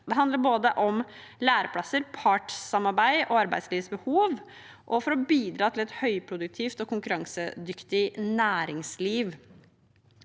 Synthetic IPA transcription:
d̪ɛɦɑnd̪ləɾboːd̪əʔɔm | læːɾəpʰɽɑsːəɾpʰɑʈːɑmɑɾbæɪʔɔɑɾbæ̰ɪd̪sliːʋsbəhuːʋ | ʔɔfɔɾɔbiːd̪ɾɑːt̪ʰɪlɛt̪hœʏpʰɾʊd̪ʉk̚t̪ʰiːft̪ɔkʰʊŋkʉɾɑŋsəd̪ʏkt̪ɪnæːɾɪŋsliːʋ

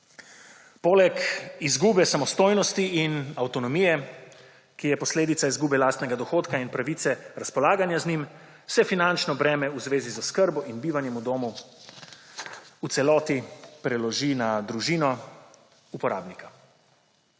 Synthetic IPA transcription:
poːlɛkizɡuːbɛsamɔst̪oːjnɔst̪iinawt̪ɔnɔmijɛ | kijɛpɔsleːd̪it̪saizɡuːbɛlaːst̪nɛɡad̪ɔxoːt̪kainpɾaʋit̪sɛɾaspɔlaːɡanjaznim | sɛfinant͡ʃnɔbɾɛːmɛuzʋeːzizɔskəɾbɔʔinbiːʋanjɛmud̪oːmu | ut̪sɛlɔːt̪ipɾɛlɔʒinad̪ɾuʒiːnɔ | upɔɾa̰ːbnika

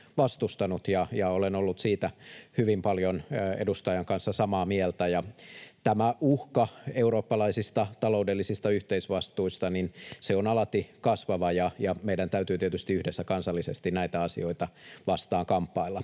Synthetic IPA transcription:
ʋɑst̪ust̪ɑnut̪jɑjɑolenolːut̪siːt̪æhyʋimpɑljonḛdust̪ɑjɑŋkɑnsːɑsɑmɑːmiɛlt̪æjɑt̪æmæuhkɑeuɾoːpːɑlɑisist̪ɑt̪ɑloudelːisist̪ɑyht̪eisʋɑst̪uist̪ɑninseonɑlɑt̪ikɑsʋɑʋɑjɑjɑmeidænt̪æyt̪yːt̪iet̪yst̪iyhdesːækɑnsɑlːisest̪innæit̪æɑsḭo̞it̪ɑʋɑst̪ɑːŋkɑmpːɑilːɑ

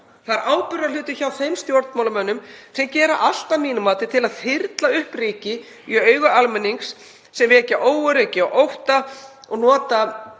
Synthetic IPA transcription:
θaɾʔaːwpʏɾalʏːt̪ʏçawθejmst̪joɾt̪mawlamœnːʏmsɛmcɛːɾaʔal̥t̪aniːnʏmaːt̪ɪt̪ʰɪlaðθɪɾt̪laʏhpriːcɪ | iœːɥɣʏalmɛnːiŋksː | ɛmvɛːcaʔoːwʏɾeːcɪɔɣʔowht̪aɔɣnɔːt̪a

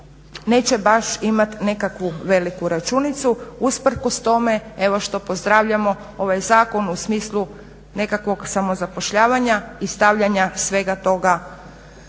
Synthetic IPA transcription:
ne̞ːt͡ɕe̞baʃimat̪ne̞kakʋuʋe̞likuɾat͡ʃunit̪suuspr̩ko̞st̪o̞me̞eʋo̞ʃt̪o̞po̞zd̪ɾaʋʎamo̞ | o̞ʋajzaːko̞nusmiːslˠu | ne̞kakʋo̞ɡsamozapo̞ʃʎaːʋaɲaist̪aʋʎaɲasʋe̞ɡat̪o̞ɡa

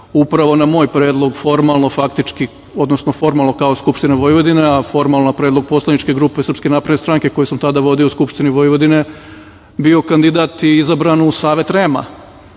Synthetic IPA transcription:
upɾaʋo̞namo̞ːjpɾeːd̪lˠo̞ɡfo̞ɾmalˠnofakt̪it͡ʃki | o̞d̪nosnofo̞ɾmalˠno̞kaoskupʃt̪ineʋojʋo̞d̪ineafo̞ɾmalˠnopɾeːd̪lˠo̞ɡ̚po̞slˠanit͡ʃke̞ɡɾuːpesɾr̩pskenapɾed̪nest̪ɾaːŋke̞ko̞jusamt̪ad̪aʋo̞d̪iouskupʃt̪iniʋojʋod̪ine̞ | bio̞kand̪id̪at̪iizabɾanusaːʋe̞t̪ɾeːma̰

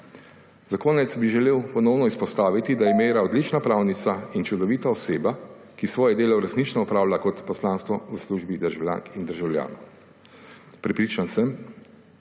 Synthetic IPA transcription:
zakoːnɛt̪sbiʒɛleːwpɔnɔwnɔispɔst̪aːʋit̪id̪ajɛmeːɾaɔd̪lit͡ʃnapɾaːwnit̪saint͡ʃud̪ɔʋiːt̪aɔseːba | kisʋɔːjɛd̪eːlɔɾɛsniːt͡ʃnɔɔpɾaːwlakɔt̪pɔslaːnst̪ʋɔzasluːʒbid̪əɾʒawlja̰ːŋkind̪əɾʒawlja̰ːnɔw | pɾɛpɾiːt͡ʃansəm

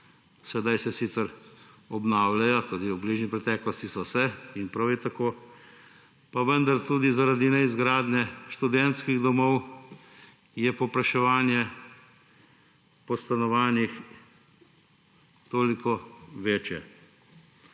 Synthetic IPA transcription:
sɛd̪ajsɛsit̪səɾɔbnaːwlajɔt̪oːd̪iubliːʒnipɾɛt̪ɛːklɔst̪isɔsɛinpɾawɛt̪akoː | paʋənd̪aɾt̪uːd̪izaɾad̪inɛizɡɾaːd̪nɛʃt̪ud̪ɛnt̪skiɣd̪ɔmɔw | jɛpɔpɾaʃɛʋaːnjɛ | pɔst̪anɔʋaːnix | t̪oːlikɔʋeːt͡ʃjɛ

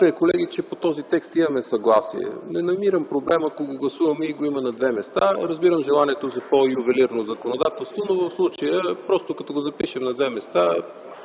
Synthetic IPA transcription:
t̪ɛkolɛɡit͡ʃɛpot̪ɔzit̪ɛkst̪imɐmɛsɐɡlˠasḭɛ̰nɛnɐmiɾəmpɾoblɛmɐkoɡoɡlˠɐsuvɐmɛiɡoimɐnɐd̪vɛmɛst̪aɾɐzbiɾəmʒɛlˠaniɛt̪ozɐpojuvɛliɾnozɐkonod̪at̪ɛlˠst̪vonovɐfslˠut͡ʃəjəpɾɔst̪okɐt̪ɔɡozɐpiʃɛmnɐd̪vɛmɛst̪a

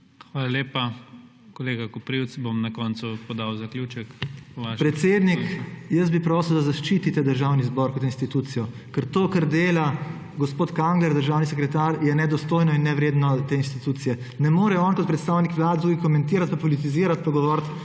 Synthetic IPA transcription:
xʋaːlaleːpa | koleːɡakɔpɾiwt̪sbomnɐkɔnsupɔd̪awzɐklʲjuːt͡ʃɛkaʃpɾɛt̪seːd̪nikjəsbipɾoːsəwd̪azaʃt͡ʃiːt̪it̪ɛd̪əɾʒaːwnizbɔɾkɔt̪inst̪it̪uːt̪sijɔ | kəɾt̪oːkɐɾd̪eːla | ɡospoːt̪kaŋɡlɛɾd̪əɾʒaːwnisɛkɾɛt̪aːɾjɛnɛd̪ɔst̪oːjnɔinːɛʋɾeːd̪nɔt̪eːinst̪it̪uːt̪sijɛ | nɛmoːɾɛɔnkɔt̪̚pɾɛt̪st̪aːwnikʋlaːd̪t̪uːɡikɔmɛnt̪iːɾat̪̚papɔlit̪̬iziːɾat̪paɡɔʋɔːɾt̪

